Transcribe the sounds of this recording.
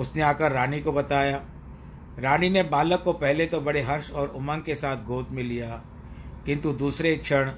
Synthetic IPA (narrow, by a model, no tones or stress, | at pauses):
ʊsneaːkəɾːaːnikobɐt̪aːjaː | ɾaːninebaːləkːopɛɦlet̪obɐɽeɦɐɾʃɔːɾʊmə̃ŋɡ̚kesaːt̪ʰɡʱoːt̪mẽlijaː | kɪ̃nt̪ud̪uːsɾekʃʰəɽ̃